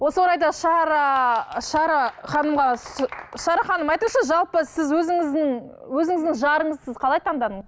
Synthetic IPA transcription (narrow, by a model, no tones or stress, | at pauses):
wo̞səwo̞ɾɑjd̪ɑʃɑɾɑʃɑɾɑχɑnəmʁɑ | ʃɑɾɑχɑnəmɑjt̪əɴʃɑʒɑlˠpəsɪzwɵzɪŋɪzd̪ɪŋwɵzɪŋɪzd̪ɪŋʒɑɾəɴəzsɪzqʰɑlˠɑjt̪ʰɑnd̪ɑd̪əɴz